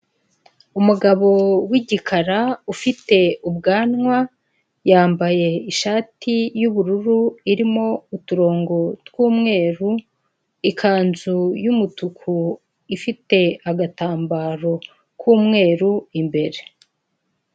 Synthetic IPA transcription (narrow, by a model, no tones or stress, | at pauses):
umuɡaβo̞wiɟikʰaɾaufite̞ub̚ɡaːnŋwa | jaːmbaje̞iʃaːtʰijuβuɾuɾuiɾimo̞utuɾo̞ːŋɡo̞twuːmŋe̞ːɾu | ikʰaːnzujumutukʰu | ifite̞aɡataːmbaːɾo̞ | kʰuːmŋe̞ːɾuimbe̞ɾe̞